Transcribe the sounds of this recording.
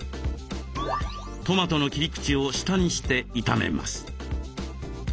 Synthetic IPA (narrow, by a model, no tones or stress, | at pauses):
t̪o̞mat̪o̞no̞kʲiɾʲikɯ̟̥t͡ɕio̞ɕi̥t̪aɲ̟iɕi̥t̪e̞it̪amḛma̰sɨ̥